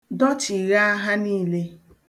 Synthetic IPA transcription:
dɔ˦t͡ʃi˨ɣa˦a˦ɦa˦niː˦le˦

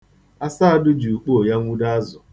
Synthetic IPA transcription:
a˦sa˦a˦dʊ˦d͡ʒu˨k͡po˦˨ja˦ŋʷu˦da˦zʊ˨

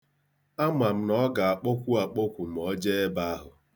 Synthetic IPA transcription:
a˦ma˨m̩˦nɔ˦ɡa˨a˨k͡po˦kʷu˦a˨k͡po˦kʷu˨m̩˨ɔ˦d͡ʒe˦e˦ba˦a˦ɦʊ˨

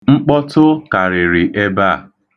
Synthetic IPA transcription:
ŋ͡m̩˦k͡pɔ˦tʊ˦ka˨ɾɪ˨ɾɪ˨ʔe˦ba˦˨

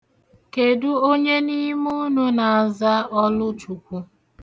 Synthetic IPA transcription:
ke˨du˦o˦ɲe˦ni˦mu˦nu˦na˨a˨za˦ɔ˦lʊ˦t͡ʃu˨kʷu˦

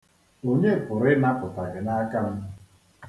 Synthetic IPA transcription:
o˨ɲe˦˨pʊ˨ɾɪ˦na˦pʊ˨ta˨ɣɪ˨na˦ka˦m̩˦

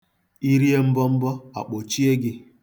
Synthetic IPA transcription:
i˦ɾi˦e˦m̩˦bɔ˦m̩˦bɔ˦a̰˨k͡po˨t͡ʃi˦e˦ɡɪ˦

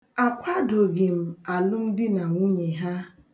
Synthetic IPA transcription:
a˨kʷa˦do˨ɡɪ˨m̩˨a˨lʊ˦m̩˦dɪ˦na˨ŋʷu˦ɲe˨ɦa˦

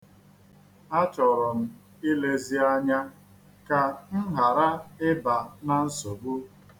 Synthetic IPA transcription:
a˦t͡ʃɔ˨ɾɔ˨m̩˦ | i˦le˦zi˦a˦ɲa˦ | ka˨n̩˦ɦa˨ɾa˦ɪ˦ba˨na˨n̩˦so˨bu˦

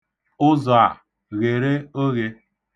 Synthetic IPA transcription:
ʊ˦za˨ | ɣe˨ɾe˦o˦ɣe˦

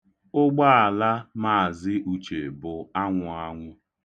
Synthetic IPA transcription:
ʊ˦ɡ͡ba˦a˨la˦ma˦˨a˨zɪ˦ʔu˨t͡ʃe˨bʊ˨a˦ŋʷʊ˨a˦ŋʷʊ˦

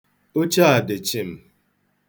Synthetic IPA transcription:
o˦t͡ʃa˦a˨de˨t͡ʃi˦˨m̩˦

